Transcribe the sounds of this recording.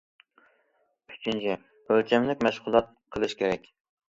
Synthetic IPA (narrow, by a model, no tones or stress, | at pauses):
yt͡ʃʰint͡ʃʰi | ølt͡ʃʰɛmlɪkʲmɛʃʁʊlˠɑt̪̚qʰəlˠɨʃkʲʰeɾɛkʲ